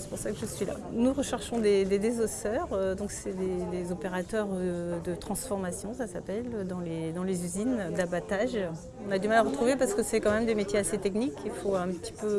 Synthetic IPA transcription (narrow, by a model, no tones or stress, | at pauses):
sɛ̥puʁsakəʒəsɥila̰ | nuʁəʃɛʁʃɔ̃d̪ed̪ed̪ezɔsœʁød̪ɔ̃ksɛd̪ed̪ezɔpeʁat̪œʁd̪ət̪χɑ̃sfɔʁmasjɔ̃sasapɛlød̪ɑ̃led̪ɑ̃lezyzind̪abat̪aʒ | ɔ̃nad̪ymalaʁət̪χuvepaʁsəkəsɛkɑ̃mɛmd̪emet̪jeaset̪ɛknikilfoɛ̃pət̪i̥pø